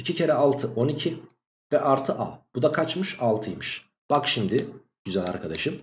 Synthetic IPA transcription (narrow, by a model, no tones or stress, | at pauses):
icʰicʰe̞ɾɛalˠt̪ʰɯʔo̞nicʰi | vɛʔaɾt̪ʰɯʔa̰b̥ud̪akʰat͡ʃmɯʃalˠt̪ʰɯjmɯʃ | b̥akʃimd̪ɪ | ɟ̥yzælʲa̰ɾkʰad̪aʃɯm